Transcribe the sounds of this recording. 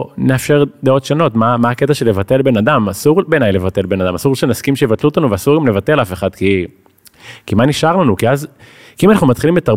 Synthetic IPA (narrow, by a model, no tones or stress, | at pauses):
neafʃeʁd̪eo̞tʃano̞tmamaːketaʃe̞levat̪e̞lbe̞nad̪amasuʁbenajle̞vat̪e̞lbe̞nad̪amasuʁʃenaskimʃejvatluot̪anuveasuʁɡamle̞vate̞lafe̞χad̥̪ki | kimaniʃaʁlanukiaz | kiimanaχnumat̪χilimbetaʁ